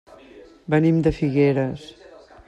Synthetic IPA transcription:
bənimd̪əfiɣeɾəs

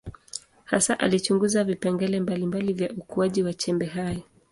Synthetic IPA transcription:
hasaʔalit͡ʃuŋɡuzavipɛŋɡɛlɛmbalimbalivjaukuaʄiwat͡ʃɛmbɛɦajɔ

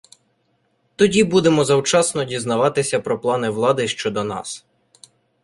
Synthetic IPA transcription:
t̪ɔdʲibud̪emɔzɐwt͡ʃɑsnɔdʲiznɐʋɑt̪ɪsʲɐpɾɔplˠɑnɪʋlˠɑd̪ɪʃt͡ʃɔd̪ɔnɑ̰s

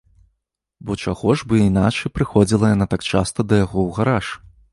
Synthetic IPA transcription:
bɔt͡ʂaɣɔʐbɨinat͡ʂɐjpɾɨxɔd͡zʲilˠɐjanat̪akt͡ʂast̪ɐd̪ɐjaɣɔwɣaɾaʂ

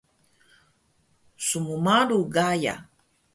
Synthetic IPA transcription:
sumumaɾuɡaja̰

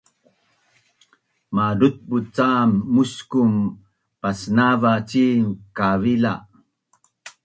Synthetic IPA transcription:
maɾut̪̚but͡samːuskum | pasnavat͡ɕiŋkavila

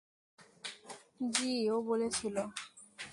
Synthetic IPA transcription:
d͡ʑiobolet͡ɕʰilo

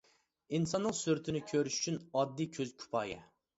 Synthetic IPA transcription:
insɑnːəqsyɾt̪ʰɪnɪkʲʰøɾyʃy̥t͡ʃʰynɑd̪ːikʲʰøzkʲʰy̥pʰɑːjɛ̰

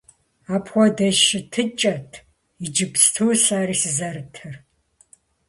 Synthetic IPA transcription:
aːpʰxʷɔdɐʃɪtʰɨt͡ʃʼɐtʰ | id͡ʒɪpstʰuːsaːɾiːsɨzɐrɨtʰɨr

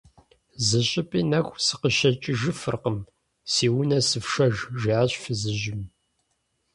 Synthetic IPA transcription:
zɨɕʼɪpʼiːnɐxʷsɨqəʃɐt͡ʃʼɪʒɨfɨrqəm | siːwʊnɐsɨfʂɐʒʒiʕaɕʼfɨzɨʒɪm

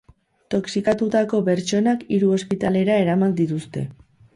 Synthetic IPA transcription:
t̪o̞ksikat̪ut̪ako̞pe̞ɾt͡ʃo̞nakiɾuo̞spit̪ale̞ɾae̞ɾamand̪it̪ust̪e̞̰

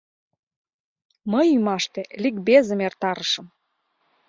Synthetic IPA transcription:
məjymɑʃt̪elik̚bezə̆mert̪ɑɾəʃə̆m

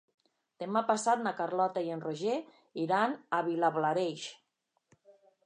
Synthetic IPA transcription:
t̪emapasat̪̚nakarlɔt̪aienroʒe | iɾanaβilaβlaɾeʃ

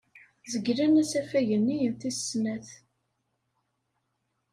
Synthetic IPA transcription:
zəɡlænæsæfæʝənːijənθissnæθ

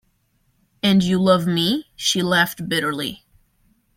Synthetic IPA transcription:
ɨ̃njɨlʌvmiʃilæft̚b̥ɪɾə˞lḭ

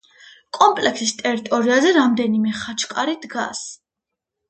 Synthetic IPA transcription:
kʼɔmpʼlɛkʰsist̪ʼɛɾit̪ʼɔɾiazɛɾamd̪ɛnimɛχat͡ʃʰqʼaɾid̪ɡa̰s

